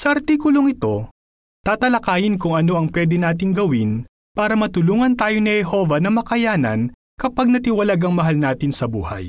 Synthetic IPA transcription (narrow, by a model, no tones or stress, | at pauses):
sɐʔɐɾt̪iːkʊloŋɪt̪o̞ | t̪aːt̪ɐlɐkaːjɪnkʊŋɐno̞ɐŋpwɛːd̪ɪnaːt̪̬ɪŋɡɐwɪn | paːɾɐmɐt̪ʊluːŋɐnt̪aːjo̞nɪhɛɦo̞vɐnɐmɐkɐjaːnɐ̰n | kɐpɐɡ̚nɐt̪ɪwɐlaɡɐŋmɐɦalnaːt̪ɪnsɐbṵːhɐ̰j